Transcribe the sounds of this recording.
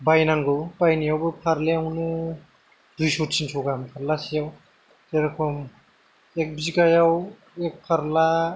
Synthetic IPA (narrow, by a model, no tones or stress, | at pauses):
bajnaŋɡɯpajnijawbɯpʰaɾleawnɯ | dujsɔt̚sinsʰɔɡampʰaɾlasijaw | teɾkʰɔm | ek̚bziɡajaw | ek̚pʰaɾla